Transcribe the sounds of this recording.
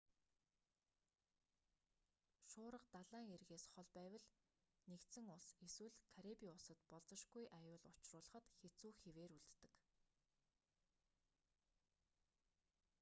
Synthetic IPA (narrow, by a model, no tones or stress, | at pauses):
ʃʊːɾə̆qt̪aɮaːŋerɣeːsχɔɮpæːwə̆ɮ | nekt̪sɘ̆ŋʊɮseswɘ̆ɮkʰaɾepiʊsə̆t̪pɔɮt͡sə̆ʃɡujʔajʊːɮʊt͡ɕrʊːɮə̆χə̆t̪xet͡suːxeweːɾuɮt̪ːɘ̆k